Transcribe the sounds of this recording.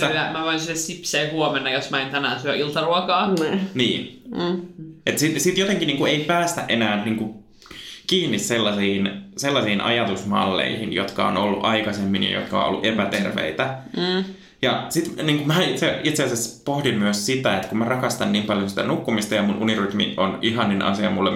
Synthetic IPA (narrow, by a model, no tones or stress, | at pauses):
æmæʋoinsiessipseːhuɔmenːɑjosmæint̪ænæːnsyøʔilt̪ɑruɔkɑːniːnː | ʔet̪sisit̪jot̪eŋkiniːŋkueipæːst̪æʔenæːnniːŋku | kiːnːisselːɑsiːnselːɑsiːnʔɑ̰jɑt̪usmɑ̰lːḛihinjot̪kɑo̰nolːuʔɑikɑsemːinḭjo̰t̪kɑo̰ʔo̰lːuʔepæt̪erʋḛit̪æ | jɑsit̪niːŋkumæit̪seit̪seɑsespohdimmyøssit̪æet̪kummærɑkɑst̪ɑnniːmpɑljosi̥t̪ænukːumist̪ɑjɑmunʔuniryt̪mḭonʔiɦɑnːinʔɑ̰siɑ̰mulːḛ